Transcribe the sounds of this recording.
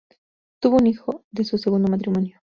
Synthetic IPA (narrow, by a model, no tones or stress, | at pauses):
t̪uβonixod̪esuseɣund̪omat̪ɾimonjo